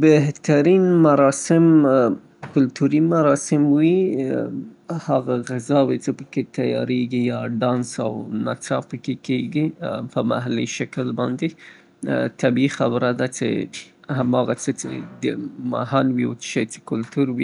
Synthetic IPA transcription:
beɦt̪aɾinmaɾɑsɪm | kʊlt̪uɾimaɾɑsɪmwi | haɣaɣɪzɑwet͡səpəket̪ajɑ̰ɾeɡijɑɖɑnsa̰wnat͡sɑpəkekeɡipəma̰ɦalḭʃaklbɑnd̪e | t̪abixabɾad̪at͡ʃḛhamɑɣat͡sət͡ʃḛd̪əma̰hanwiwosə̥ʃajt͡se̥kʊlt̪uɾwi

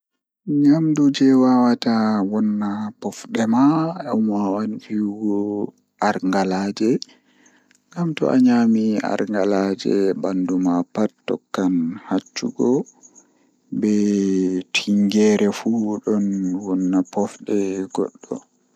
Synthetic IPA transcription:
ɲamdud͡ʒɛwawatawɔnːapɔfɗɛmaamawand͡ʒiɡɔ | ʔaɾŋɡalaːd͡ʒɛ | ŋɡamtɔ̰ʔa̰ɲamia̰ɾŋɡalad͡ʒɛ̰bandumapattːɔ̰kːanhat͡ʃːuɡɔ | bɛ | tʰiŋɡɛɾɛfuɗɔnwɔnːapɔfɗɛɡ̥ɔ̰ɗːɔ̰

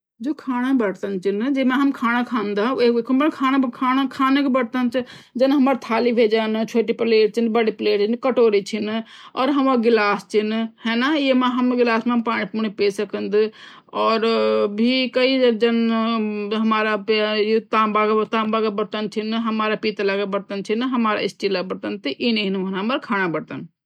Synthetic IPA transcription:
d͡ʒoːkʰaːɽ̃abəɽt̪ənt͡ʃʰind͡ʒemãɦɐmkʰaːñakʰaːnd̪aeekʰumbənkʰaːñabkʰaːnakʰaːnakbəɽt̪ənt͡ʃʰd͡ʒɐnɦɐmaɾt̪ʰaːlibʱeːd͡ʒənt͡ʃʰoːʈipleːʈ̚t͡ʃʰinbəɽipleːʈt͡ʃʰinkəʈoːɾit͡ʃʰinɔːɾɦɐmãɡɪlaːst͡ʃʰinhɛnajemaɦəmɡɪlaːsmepaːɽ̃ipuñipeːsəkənd̪i | ɔːɾbʱikəid͡ʒəd͡ʒɐn | ɦəmaːɾapjt̪ãːmbaɡt̪ãːbaɡəbəɽt̪ənt͡ʃʰinɦəmaːɾapit̪lakebəɾt̪ənt͡ʃʰinɦəmaːɾa̰isʈilabəɽt̪ənt̪iʔineinmənɦəməɾkʰaːnabəɽt̪ən

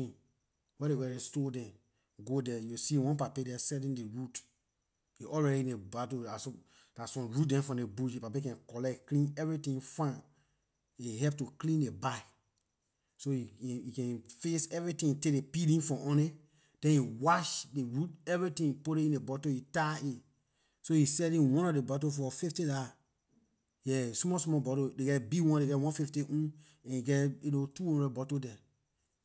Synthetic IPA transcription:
ĩ | wɛdewɛɾestodɛ̃n | ɡodɛjusiwɔ̃npapedɛsɛlĩndeɹut | juʔɔlɹɛɾiĩnebatoaso | d̥asɔ̃mɹut̚dɛ̃nfɔ̃ndebuʃepapekɛ̃nkɔlɛkːlĩnɛvɹitĩŋfãn | iɦɛp̚tuklĩndebaɪ | sojjikɛ̃nfesɛvɹitĩŋtekdepilĩnfɔ̃ʔɔ̃ne | d̥ɛ̃njiwaʃdeɹut̚ɛvɹitĩpoleĩndebɔtojitai | sojisɛlĩwɔ̃nɔfdebɔtofɔfiftida | jɛsmɔsmɔbɔtodeɡɛtbiwɔ̃ndeɡɛtwɔ̃nfiftiʔũ | ɛ̃niɡɛtjinotuhɔ̃ndɹɛd̚bɔtodɛ

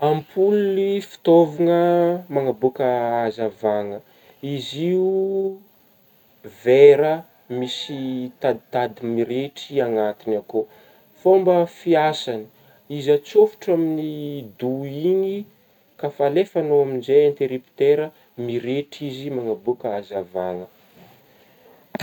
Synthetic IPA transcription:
ampʰulunifi̥t̪oviŋəmaŋabukəazavaŋə | iziu | veɾə | misit̪ad̪it̪ad̪imiɾeʈ͡ʂiaŋat̪inako | fombəfiasani̥ | izat͡sofu̥ʈ͡ʂaminid̪uiɲi | kafalefanoaminzeant̪eɾipi̥t̪eɾə | miɾeʈ͡ʂizimaŋabukəazavaŋə

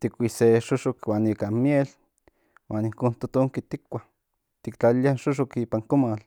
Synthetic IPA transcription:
t̪ikʷiseʃoʃokwaːnikamjel | wʔaːniŋkoːnt̪ot̪oŋkit̪ikʷːa | t̪ikt͡ɬaliaʃoʃ̬okiːpaŋkomal

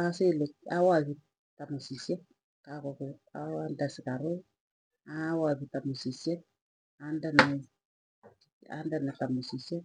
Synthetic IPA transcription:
aselɛkawaβi | tamusisjɛ | kakɔkɔawandasikaɾo | awaβitamusisjɛ | andana | a̰ndanatamusisɛ

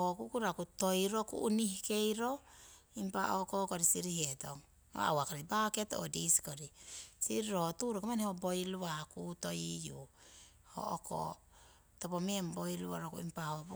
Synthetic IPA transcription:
okukuɾakuto̞jɾokṵʔːnihike̞jɾo̞ | impaʔokokoɾisiɾihetoŋ | o̰a̰wakoɾibaketo̰diskoɾisḭɾiɾotuɾokemanehobo̞jluakutojiju | ho̰oko̰ | topomeembojluaɾokuḭmpaob

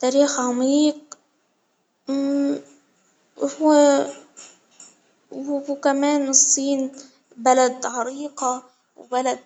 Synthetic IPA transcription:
t̪aːɾiːxʕamiːq̚ | hw | hkamaːnɨsˤːiːn | balad̪ʕɑɾiːqa | wbalad̪̚

